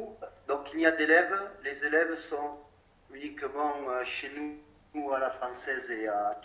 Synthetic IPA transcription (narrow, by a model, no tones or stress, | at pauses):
d̪ɔ̃ŋkiliad̪elɛvlezelɛvsɔ̃ | ynikəmɑ̃øʃenu | alafχɑ̃sɛzeat̪